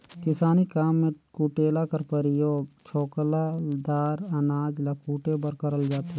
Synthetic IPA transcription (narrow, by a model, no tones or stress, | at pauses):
kɪsaːnikaːmːẽkuːʈeːlakɐɾpəɾɪjoːɡt͡ʃʰoːklad̪aːɾɐnaːd͡ʒlakuːʈebəɾkəɾəld͡ʒaːt̪e